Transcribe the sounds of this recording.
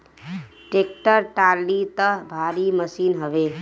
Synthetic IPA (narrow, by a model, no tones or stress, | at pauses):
ʈeːk̚ʈəɾʈaːɾlːit̪əɦbʱaːɾiməsiːnɦəʋeː